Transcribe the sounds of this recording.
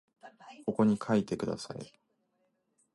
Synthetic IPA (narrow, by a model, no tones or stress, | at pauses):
ko̞ko̞ɲ̟ikʰait̪e̞kɯ̟d̪a̰sa̰ḭ